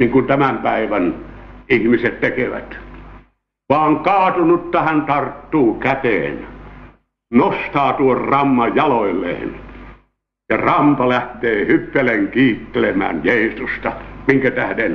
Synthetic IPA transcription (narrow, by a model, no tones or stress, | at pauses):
niːŋkunt̪æmæmpæiʋænihmiset̪t̪ekeʋæ̰t̪ | ʋɑːŋkɑːt̪unut̪ːæhænt̪ɑrt̪ːuːkæt̪ḛːn | nost̪ɑːt̪uorrɑmːɑjjɑloilːˑḛːn | jɑrɑmpɑlæht̪eːhypːeleŋkiːt̪ːelemæ̰ːnjeisust̪ɑmiŋkæt̪æhden